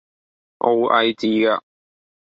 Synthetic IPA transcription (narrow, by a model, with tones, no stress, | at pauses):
ʔo˨˧wʔɐ˨jt͡siː˧ɡaː˧